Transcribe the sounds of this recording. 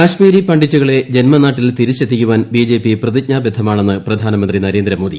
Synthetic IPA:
kaːɕmiːɾipɐɳɖit͡ɕːuɣɐɭe̞d͡ʑe̞nmɐnaːʈːilt̪iɾit͡ɕːɐd̪ʰʱːikʲːuʋaːnbiːd͡ʑe̞ːpiprɐðik̚ɲaːbjed̪ʱɐmaːɳe̞nːɨprɐd̪ʱaːnɐmɐnd̪rinɐɾend̪ɾɐmoːðḭ

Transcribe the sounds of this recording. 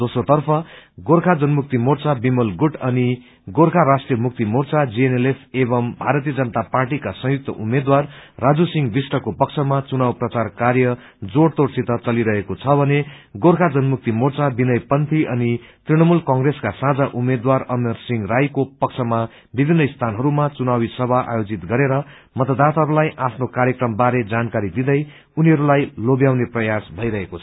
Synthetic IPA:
d̪osrot̪ʌrpʰʌɡorkʰad͡zʌnmuk̚t̪imort͡sabimolɡuʈʌni | ɡorkʰaɾasʈrijʌmuk̚t̪imort͡sad͡zienelepʰebʌmbʱaɾʌt̪ijʌd͡zʌnʌt̪aparʈikasʌ̃juk̚t̪ʌ̰ʔumed̪warːad͡zusiŋɡbisʈʌkopʌkt͡sʰʌmat͡sunawprʌt͡sarkarjʌ | d͡zoɽt̪ort͡sit̪ʌt͡sʌliɾʌɦekot͡sʰʌbʱʌneɡoɾkʰad͡zʌnmuk̚t̪imort͡sabinʌjpʌnt̪ʰiʔʌnit̪riɽʌmulkʌŋɡreskasãd͡zaʔumed̪warʌmersiŋrajkopʌk̚t͡sʰʌma | bibʱinːʌist̪ʰanɦʌɾumat͡sunawisʌbʱaʔa̰jod͡zit̪ɡʌɾeɾʌ | mʌt̪ʌd̪at̪aɦʌɾulajʔapʰnokaɾjʌkrʌmbaɾed͡zankaɾid̪id̪ʌj | uniɦʌɾulajlobjawneprʌjasbʱʌjɾʌɦekot͡sʰʌʌ

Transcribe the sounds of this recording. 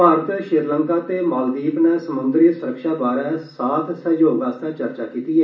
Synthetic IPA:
paːɾət̪ʃɪɾləŋkaːt̪eːmaːld̪iːpnɛ̃səmʊnd̪ɾiːsʊɾəkʃaːbaːɾɛ̃ːsaːt̪ʰsəjoːɡaːst̪ãːt͡ʃəɾt͡ʃaːkiːt̪iːɛː

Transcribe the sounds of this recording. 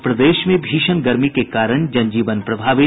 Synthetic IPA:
pɾɐd̪eːʃmẽbʱiːʃənɡɐɾmikekaːɾəɳ̃d͡ʒɐ̃nd͡ʒiːʋənpɾɐbʱaːʋɪ

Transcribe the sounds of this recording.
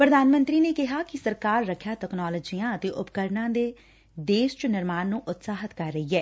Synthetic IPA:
pɾəd̪aːnmə̃nt̪ɾiːneːkɪɦaːkɪsəɾkaːɾːəkʰjaːtɛknaːləːd͡ʒijãːət̪eːʔʊpkəɾnãːd̪eː | d̪eːʃt͡ʃənɪɾmaːnːũːʔʊt̪saːɦət̪kəɾːəɦiːɛː

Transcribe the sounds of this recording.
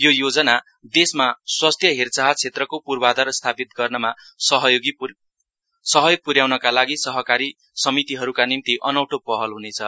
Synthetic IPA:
jojod͡zʌna | d̪esmaswast̪ʰjʌɦert͡saɦat͡sʰet̪rʌkopurbad̪ʌrst̪ʰapit̪̚ɡʌrnʌma | sʌɦʌjoɡi | sʌɦʌjoɡ̚puɾjawnʌkalaɡisʌɦʌkaɾi | sʌmit̪iɦʌɾukanimt̪iʔʌnʌwʈopʌɦʌlɦunet͡sʰʌ

